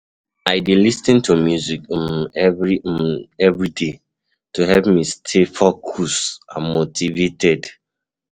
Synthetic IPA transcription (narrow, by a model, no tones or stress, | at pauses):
aɪdilisnĩntumjuzikɛvɹiɛvɹide | tuɦɛvmistʰefɔkʰusãmːotʰivetʰɛd